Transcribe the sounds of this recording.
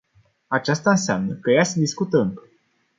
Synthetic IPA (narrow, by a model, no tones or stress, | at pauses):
at͡ʃast̪aɨnseamnəkəjasəd̪iskut̪əɨmə